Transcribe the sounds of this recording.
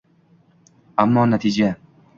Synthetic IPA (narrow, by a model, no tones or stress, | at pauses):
amːɒnat̪ʰɪd͡ʒa